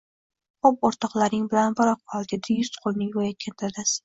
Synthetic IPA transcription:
qɒp̚oɾt̪ʰɒqlˠaɾnɪŋbɪlanbɪɾɒq̚bʰɒlˠd̪ɪd̪ɪjʊst̪qʰolˠnɪŋvɒjakʲʰant̪ʰad̪asɪ̥

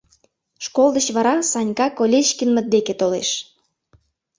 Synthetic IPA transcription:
ʃkold̪ət͡ɕβɑɾɑsɑnʲkɑkolʲeʃkinmə̆t̪̚d̪eket̪olḛʃ

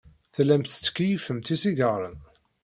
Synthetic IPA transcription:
θlæmθə̥t͡sːə̥kːijifəmt̪isiɡɑɾˤən

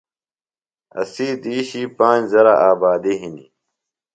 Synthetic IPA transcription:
ɐ̰siːd̪iːɕiːpãːzɐɾaʔaːbaːd̪iɦinḭ

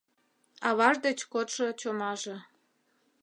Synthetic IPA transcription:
ɑβɑʒd̪et͡ɕkot̪ʃŏt͡ɕomɑʒĕ

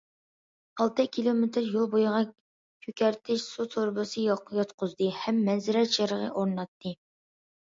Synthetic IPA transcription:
ɑlˠt̪ɨkʲʰilˠomet̪ɪɾjulˠbojʊʁɑ | kʲʰøkʲɛɾt̪ʰɪʃsut̪ʰoɾbɨsɨjɑqʰːjɑt̪qʊzd̪ɨhɛmːɛnzɪɾɛʃeɾəʁə̰ʔoɾnɑt̪ʰːɨ

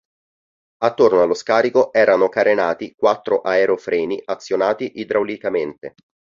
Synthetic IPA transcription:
at̪ːornoalːoskaːɾikoʔɛːɾanokaɾʔenaːt̪ikwat̪ːɾoʔaeɾofɾɛːniʔat̪sːjonaːt̪iʔid̪ɾawlikament̪e

